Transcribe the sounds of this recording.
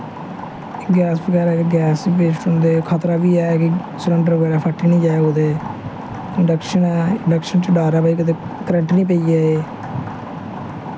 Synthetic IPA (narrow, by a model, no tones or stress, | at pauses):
ɡɛːsbəɡɛːɾɛːkɡɛːsipeːt͡ʃʈʊ̃nd̪eːkʰat̪ɾaːʋiːɛːkɪ | sələ̃ɳɖəɾɡɛːɾaːpʰəʈːiːnĩːd͡ʒaːeoːd̪eː | ɪɳɖəkʃənɛːɪɳɖəkʃənt͡ʃɖaːɾaːpəiːkət̪eːkəɾə̃ɳʈnĩːpeiːɛːeː